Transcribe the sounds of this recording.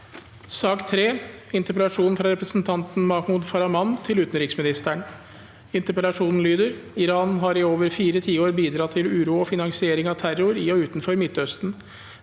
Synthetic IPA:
sɑːkt̪ʰɾeːɪnt̪əpəlɑʂuːnn̩fɾɑɾɛpɾəsn̩t̪ʰɑnt̪n̩mɑhmuːd̪fɑɾɑmɑnt̪ʰɪlʉːt̪ən̩ɾɪksmɪnɪst̪æɳ | ɪnt̪əɾpəlɑʂuːnn̩lyːd̪əɾɪɾɑːnɦɑɾɪoːʋəɾfiːɾət̪ʰiːoːɾbiːd̪ɾɑt̪ʰːɪlʉːɾuːɔfɪnɑŋsɪeːɾɪŋɑt̪ʰæɾʊɾiːɔʉːt̪nfɔɾmɪt̪ʰːœst̪n̩

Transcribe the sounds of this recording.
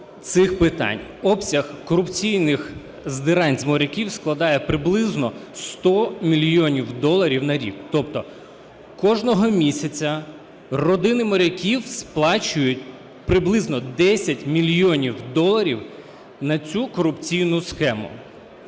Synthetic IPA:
t̪sɪxpɪt̪ɑ̰nʲɔpsʲɐxkɔɾʊpt͡sʲijnɪx | zd̪ɪɾɑnʲzʲmɔɾʲɐkʲiwsklˠɐd̪ɑjɛpɾɪblˠɪznɔst̪ɔmʲilʲjɔnʲiwd̪ɔlˠɐɾʲiwnɐɾʲḭkt̪ɔpt̪ɔ | kɔʒnɔɦɔmʲisʲɐt͡sʲɐ | rɔd̪ɪnɪmɔɾʲɐkʲiwsplˠɑt͡ʃʊjʊtʲ | pɾɪblˠɪznɔd̪ɛsʲɐtʲmʲilʲjɔnʲiwd̪ɔlˠɐɾʲiw | nɐt͡sʲukɔɾʊpt͡sʲijnʊsxɛmʊ̰

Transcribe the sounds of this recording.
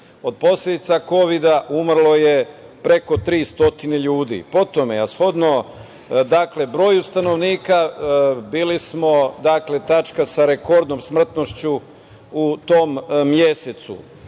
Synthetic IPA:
o̞d̪̚po̞sʎʲed̪it̪sako̞ʋid̪aʔumrlˠo̞je̞pɾe̞ko̞t̪ɾiːst̪o̞t̪ineʎuːd̪ḭpo̞t̪omeasxo̞d̪no | d̪akle̞bɾo̞ːjust̪ano̞ʋniːkabiːlismo̞d̪akle̞t̪at͡ʃkasaɾe̞ko̞ɾd̪nomsmr̩t̪no̞ʃt͡ɕu | ut̪omːjeset̪sṵ

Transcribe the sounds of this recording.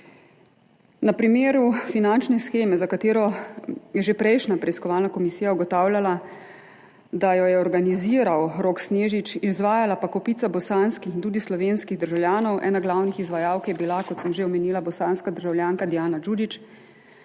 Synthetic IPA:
napɾimeːɾufinant͡ʃnɛsxeːmɛzakat̪eːɾɔjɛʒepɾɛjʃnapɾɛiskɔʋaːlnakɔmisiːjauɡɔt̪aːwljala | d̪ajɔjɛɔɾɡaniziːɾawɾoːksneːʒit͡ʃizʋaːjalapakɔpiːt̪sabɔsanskixint̪uːd̪islɔʋeːnskiɣd̪əɾʒawljaːnɔwʔɛ̰ːnaɡlaːwnixizʋajaːwkjɛbilakɔt̪səmʒeɔmɛniːlabɔsaːnskad̪əɾʒawljaːŋkad̪ijaːnad͡ʒud͡ʒit͡ʃ

